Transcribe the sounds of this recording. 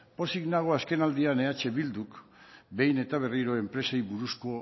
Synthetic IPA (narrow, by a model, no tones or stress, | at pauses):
po̞siɣnaɣ̞oaske̞nald̪iane̞at͡ʃe̞βild̪ukbe̞jne̞t̪aβ̞eriɾo̞e̞mpɾe̞sejβuɾusko